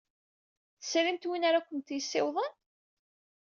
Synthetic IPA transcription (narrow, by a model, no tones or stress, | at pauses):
θəsːɾimt̪winaɾakʷːənt̪jəsːɪwðˤən